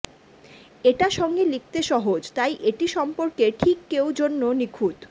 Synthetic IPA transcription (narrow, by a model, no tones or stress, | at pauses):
eʈaʃɔŋɡelik̚t̪eʃɔɦod͡ʑt̪ajʔeʈiʃɔmpoɾkeʈʰikːewd͡ʑonːonikʰut̪